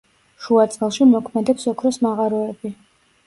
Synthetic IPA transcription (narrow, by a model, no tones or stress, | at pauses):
ʃuat̪sʼɛlˠʃimɔkʰmɛd̪ɛpsɔkʰɾɔsmaʁaɾɔɛbi